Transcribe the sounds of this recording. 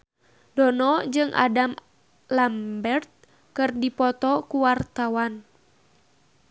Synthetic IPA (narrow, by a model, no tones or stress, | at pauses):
dɔnɔd͡ʒɨŋʔa̰dam | lambɛrt̪̚ | kɨrdipɔt̪ɔkuwart̪awan